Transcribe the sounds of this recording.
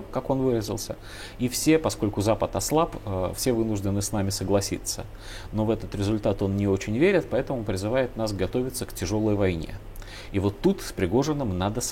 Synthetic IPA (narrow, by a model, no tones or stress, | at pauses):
kako̞nvɨɾəzʲɪ̰lˠsʲə | ifsʲe̞pɐsko̞lʲkʊzapət̪ɐslˠapəfsʲe̞vɨnʊʐdʲɪnɨsnamʲɪsəɡlˠɐsʲḭt̪sə | no̞vɛt̪ət̪ɾʲɪzʊlʲt̪at̪o̞nnʲɪo̞t͡ɕɪnʲvʲeɾʲɪt̪̚pɐɛt̪əmʊpɾʲɪzɨvajɪt̪nasɡɐt̪o̞vʲɪt̪səktʲɪʐo̞lˠəjvɐjnʲe̞̰ | ivo̞t̪ːut̪spɾʲɪɡo̞ʐɨnːɨmnad̪əs